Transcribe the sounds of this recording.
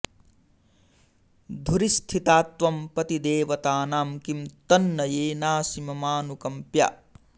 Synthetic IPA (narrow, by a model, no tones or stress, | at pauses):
d̪ʱuɾist̪ʰit̪aːt̪ʋɐmpɐt̪id̪eːʋɐt̪aːnaːmkimt̪ɐnːɐjeːnaːsimɐmaːnukɐmpja̰ː